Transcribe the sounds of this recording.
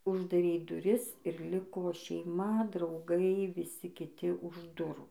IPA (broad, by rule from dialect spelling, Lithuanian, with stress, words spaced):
ʊʒdɐˈrʲɛɪ dʊˈrʲɪs ɪr ˈlʲɪkoː ʃʲɛɪˈmɐ drɐʊˈɡɐɪ ʋʲɪˈsʲɪ kʲɪˈtʲɪ ʊʃ ˈdʊruː